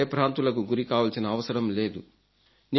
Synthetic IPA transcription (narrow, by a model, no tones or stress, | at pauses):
ɐpɾaːnt̪ulɐkuɡuɾikaːʋɐlsinɐːʋɐsɐɾɐmle̞ːd̪u | ni